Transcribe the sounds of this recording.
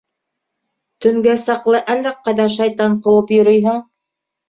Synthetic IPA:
t̪ɵ̆ŋɡæsɑqlˠɤʔælːæqɑjðɑʃɑjt̪ɑɴqɤ̆wɤpjŏɾɤjɦɤɴ

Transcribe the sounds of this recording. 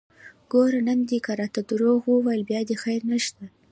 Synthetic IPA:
ɡ̥oɾanamd̪ikaɾɑt̪ad̪uɾoɣwəwajlbjɑd̪exajɾnaʃt̪a

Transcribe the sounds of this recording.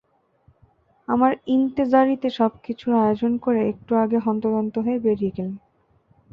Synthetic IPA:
amaɾint̪ezaɾit̪eʃɔbkit͡ɕʰuɾajod͡ʑonkoɾeek̚ʈuaɡeɦɔnt̪od̪ont̪oɦoebeɾikel

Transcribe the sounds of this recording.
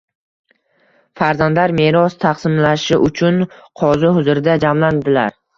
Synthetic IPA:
faɾzand̪laɾme̞ɾɒst̪ʰaqsɪmlaʃɪʔʊt͡ʃʰʊnqʰɒzɪhʊzʊɾɪd̪ad͡ʒamland̪ɪla̰ɾ

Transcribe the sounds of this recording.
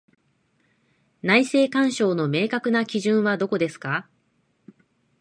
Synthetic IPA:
naise̞ːkãɰ̃ɕo̞ːno̞me̞ːkakɯ̟nakʲiʑɨ̃ɰ̃βad̪o̞ko̞d̪e̞sɨ̥ka

